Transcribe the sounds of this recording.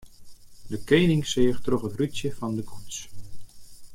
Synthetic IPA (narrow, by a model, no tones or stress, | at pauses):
dəkejnɪŋsɪːχtroχətrytjəfɑndəkʰuts